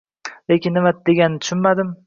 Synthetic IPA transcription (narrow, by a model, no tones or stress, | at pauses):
le̞kʲɪnːɪmad̪̥e̞ɡʲannːɪt̪ʰʊ̥ʃɪnmad̪ɪm